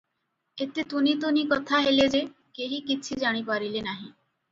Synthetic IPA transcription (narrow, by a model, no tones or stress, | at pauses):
et̪et̪unit̪unikɔt̪ʰaɦeled͡ʒe | keɦikit͡ʃʰid͡ʒaɽ̃ipaɾilenaɦĩ